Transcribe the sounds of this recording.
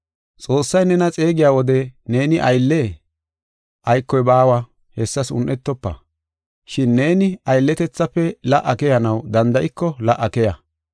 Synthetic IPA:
t͡sʼo̞ːsːɐjnɛnɐt͡sʼe̞ːɡɪjaːwɔd̪ɛne̞ːnɪʔɐjlːe | ʔɐjkːɔjbaːwɐ | hɛsːɐsʊ̰nʔɛt̪ːɔpːɐ̰ | ʃɪnːe̞ːnɪɐjlːɛt̪ɛt͡sːɐpːɛlɐʔːɐkɛjɐnɐwd̪ɐnd̪ɐʔɪkːɔlɐʔːɐkɛjɐ

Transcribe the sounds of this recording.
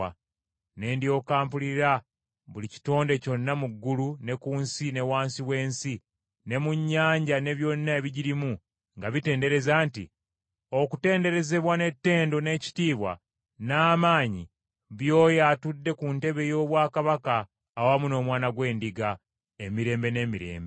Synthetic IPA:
a | ne̞ːndjo̞ːkaːmpuliɾa | βulici̥to̞ːnde̞co̞nːamuɡːulune̞kuːnsine̞waːnsiwe̞ːnsi | ne̞muɲːaːɲɟane̞βjo̞nːaeβiɟiɾimu | ŋɡaβite̞ːnde̞ɾe̞zaːntḭ | o̞kute̞ːndeɾe̞ze̞βwane̞tːe̞ːndo̞ne̞ːci̥tiːβwa̰ | naːmaːɲḭ | βjo̞ːjaːtudːe̞kunte̞βe̞jo̞ːβwaːkaβakaː | wamuno̞ːmwaːnaɡwe̞ːndiɡa | emiɾe̞ːmbe̞ne̞ːmiɾe̞̰ːmbe

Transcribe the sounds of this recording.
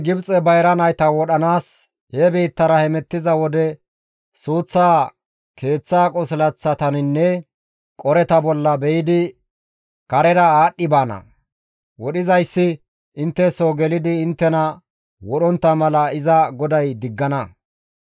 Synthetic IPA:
ɡɪbt͡sʼɛbɐjɾɐnɐjt̪ɐwɔɗɐnaːs | hebiːt̪ːɐɾɐhɛmɛt̪ːɪzɐwɔd̪ɛ | suːt͡sːaː | kʰe̞ːt͡sːaːkʼɔslɐt͡sːɐt̪ɐnɪnːɛ | kʼɔɾɛt̪ɐbɔlːɐbɛjɪd̪ɪ | kɐɾɛɾɐaːɗːɪbaːnɐ̰ | wɔɗɪzɐjsːɪ | ʔɪnt̪ːɛsoɡɛlɪd̪ɪːnt̪ːɛnɐ | wɔɗɔnt̪ːɐmɐlɐɪzɐɡɔd̪ɐjd̪ɪɡːɐnɐ

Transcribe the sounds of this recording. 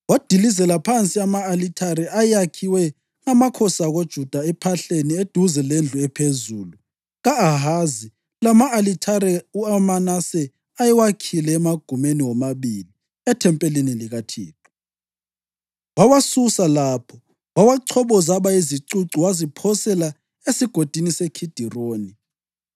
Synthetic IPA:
wad̥ʱilizɛlapʰant͡sʼiamaːlitʰaɾɛʔajakʰiwɛ | ŋamakʰɔsaɣod̥ʒ̥ʱud̥ʱaɛpʰaɬenied̥ʱuzɛlend͡ɮʱuɛpʰezuːlu | ɣaːɦazi | lamaːlitʰaɾɛuamanasɛ | ajɛwakʰilɛːmaɡ̥ʱumeniwɔmaβili | ɛtʰɛmpʼɛliniliɣatʰḭːtʰu̥ | wawasusalapʰɔ | wawaǀʰɔβɔzaβaiziǀuǀiwazipʰɔsɛla | esiɡ̥ʱod̥ʱinisekʰid̥ʱiroːni

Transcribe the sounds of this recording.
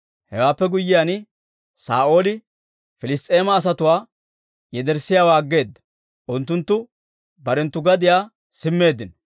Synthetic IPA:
hɛwaːpːɛɡʊjːɪjan | saːʔo̞ːlɪ | fɪlɪst̪ʼːe̞ːmɐːs̬ɐt̪ʊwaː | jɛd̪ɛɾsɪjaːwaːɡːe̞ːd̪ːɐ̥ | ʔʊnt̪ːʊnt̪ːʊ | bɐɾɛnt̪ːʊɡɐd̪ɪjaː | sɪmːe̞ːd̪ːɪnɐ

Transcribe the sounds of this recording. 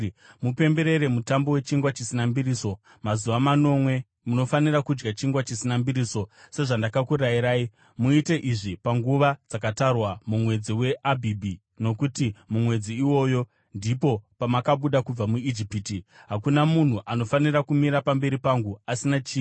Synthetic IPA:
mupe̞mbe̞ɾe̞ɾe̞mutambo̞we̞t͡ʃiŋɡwat͡ʃisinambiriːso̞ | mazuʋamano̞mwe̞ | muno̞faniɾakud͡ʒɡat͡ʃiŋɡwat͡ʃisinambiɾiso̞se̞ʐandakakuɾajiɾaːi | muite̞ʔiʐipaŋɡuʋad͡zakatarwamumwe̞d͡ziwe̞ʔabʱibʱi | no̞kutimumwe̞d͡ziːwo̞ːjo̞ | ndipo̞pamakaɓuɗakub͡vamuid͡ʒipitiɦakunamun̤uʔano̞fanirakumiɾapambe̞ɾipaŋɡuasinat͡ʃiː

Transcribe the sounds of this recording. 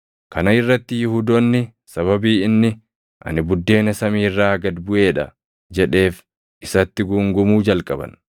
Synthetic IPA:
kɐnɐɪrːɐt̪ːɪjʊhuːd̪ɔnːɪ | sɐβɐbiːɪnːɪ | ʔɐ̰nɪbʊd̪ːe̞ːnɐsɐmiːrːaːɡɐd̪bʊʔe̞ːᶑɐ̰ | d͡ʒɛᶑe̞ːf | ʔɪsɐt̪ːɪɡʊŋɡʊmuːd͡ʒɐlkʼɐbɐ̰n

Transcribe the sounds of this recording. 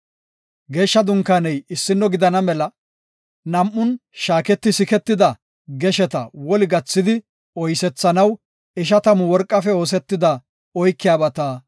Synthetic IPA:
ɡeːʃːɐd̪ʊŋkːanɛjɪsːɪnːɔɡɪd̪ɐnɐmɛlɐ | nɐmʔːʊnʃaːkɛt̪ːɪsɪkɛt̪ːɪd̪ɐ | ɡɛʃɛt̪ɐwɔlɪɡɐt͡sːɪd̪ɪ | ɔjsɛt͡sːɐnɐw | ɪʃ̬ɐt̪ɐmʊwɔɾkʼːɐfɛo̞ːs̬ɛt̪ːɪd̪ɐ | ɔjkːɪjaːbɐt̪aː

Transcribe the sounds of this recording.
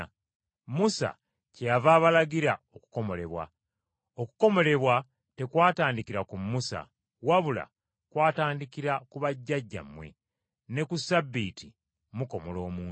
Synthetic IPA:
musa̰ | cejavaːβalaɡiɾao̞ku̥ko̞mo̞le̞βwa̰ | oku̥ko̞mo̞le̞βwa | te̞kwaːtaːndikiɾakumːusa̰ | waβula̰ | kwaːtaːndikiɾakuβaɟːaɟːa̰mːwe̞̰ | ne̞kusabːiːti | muko̞molo̞ːmuː

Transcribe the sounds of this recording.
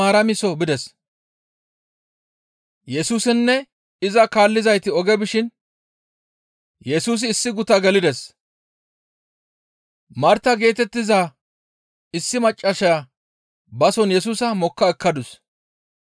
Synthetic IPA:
aːɾɐmɪsɔbɪd̪ɛs | jɛsuːsɪnːɛ | ɪzɐkaːlːɪzɐjt̪ɪɔɡɛbɪʃɪn | jɛsuːs̬ɪːsːɪɡʊt̪ɐɡɛlɪd̪ɛs | mɐɾt̪ːɐɡe̞ːt̪ɛt̪ːɪzaː | ɪsːɪmɐt͡ʃʼːɐʃɐja | bɐsɔnjɛs̬uːsɐmɔkːɐɛkːɐd̪ʊs

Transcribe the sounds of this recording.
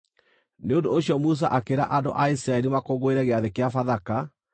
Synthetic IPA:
neondooɕjɔmus̬a̰ʔakeɾa̰ʔando̰ʔaisiɾaɛɾimakoɣoeɾɛɣeaðekeafaðaka

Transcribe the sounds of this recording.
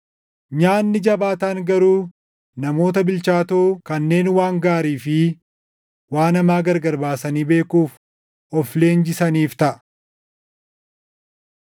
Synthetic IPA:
ɲaːnːɪd͡ʒɐbaːt̪aːŋɡɐɾuː | nɐmo̞ːt̪ɐbɪlt͡ʃaːt̪oːkɐnːe̞ːnwaːŋɡaːɾiːfɪ | waːnɐmaːɡɐɾɡɐɾbaːsɐniːbe̞ːkuːf | ɔfle̞ːnd͡ʒɪsɐniːft̪ɐʔɐ

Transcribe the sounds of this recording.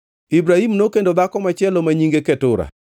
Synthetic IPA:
ibɾahimnokendod̪akɔmat͡ʃɪɛlomaɲiŋɡeketʊɾa̰

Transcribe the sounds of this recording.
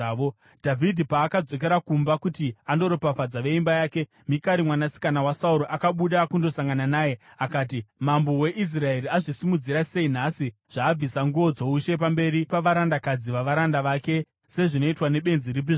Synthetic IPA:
o | dʱavʱidʱipaːkad͡zo̞k̬e̞ɾakumbakutiando̞ɾopafad͡zaʋe̞imbajaːke̞ | mikaɾimwanasi̥kanawasauɾoʔakaɓuɗaːkundo̞saŋɡananaːje̞akaːt̬imambo̞we̞ʔis̬rae̞ɾiaʐisimud͡ziɾase̞in̤asiʐ̥aːb͡visaŋɡuʋo̞d͡zo̞uʃe̞p̬ambe̞ɾipaʋaɾandakad͡ziʋaʋaɾandaʋaːke̞ | se̞ʐino̞itwane̞ɓe̞nziɾibi

